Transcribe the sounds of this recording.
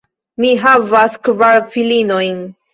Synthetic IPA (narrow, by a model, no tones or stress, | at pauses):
miɦavaskvaɾfilino̞jn